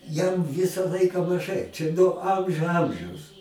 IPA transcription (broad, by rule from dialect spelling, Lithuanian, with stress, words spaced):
jɛm ˈʋʲɪsɐ ˈlˠɐɪkɐ mɐˈʒɐɪ t͡ʃʲɛ noː ˈɐmʲʒʲʊ ˈɐmʲʒʲɛʊs